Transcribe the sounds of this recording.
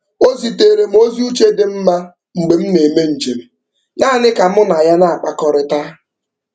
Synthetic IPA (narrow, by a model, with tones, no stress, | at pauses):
o˦zi˨te˨ɾe˨m̩˦o˦zi˦u˦t͡ʃe˦dɪ˦m̩˦ma˦ | ŋ͡m̩˨ɡ͡be˨m̩˦ne˨me˦n̩˨d͡ʒe˨me˨ | ɲaː˦˨nɪ˦ka˨m˦ʊ˦n˨a˨ja˦na˦˨a˨k͡pa˨kɔ˨ɾɪ˦ta˦